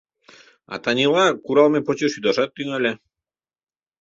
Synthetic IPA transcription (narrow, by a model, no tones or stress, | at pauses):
a̰t̪anʲilˠɑkuɾɑlˠmepot͡ɕoʃjud̪ɑʃɑt̪ːyŋælʲe